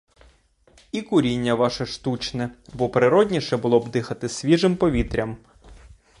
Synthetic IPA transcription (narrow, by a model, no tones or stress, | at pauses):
ikʊɾʲinʲːɐʋɑʃɛʃt̪ut͡ʃnɛbɔpɾɪɾɔdʲnʲiʃɛbʊlˠɔbd̪ɪxɐt̪ɪsʲʋʲiʒɪmpɔʋʲit̪ɾʲɐm